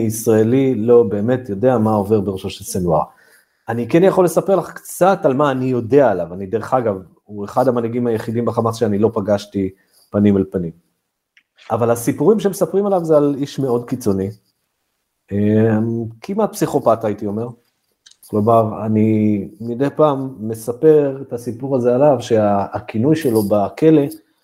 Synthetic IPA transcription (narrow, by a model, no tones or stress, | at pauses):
isʁaelilo̞be̞ːme̞tjo̞de̞amao̞ve̞ʁbeʁeʃoʃelsenuaʁ | anikenjaχo̞lesapeʁlaχkt͡satalmaːnijo̞de̞aːlavanideʁeχaɡav | ueχadhamanaɡimajeχidimbaχamat͡sʃeanilo̞paɡaʃti | panimalpanim | avalasipuʁimʃ̬emesapʁimalavzealiʃme̞o̞dkit͡so̞ni | emkʰimat̪̚psiχo̞pataitio̞me̞ʁ | klo̞maʁanimid̪e̞jpaːmːe̞sape̞ʁet̪asipuʁazealavʃe̞aːkinujʃe̞lo̞bake̞le̞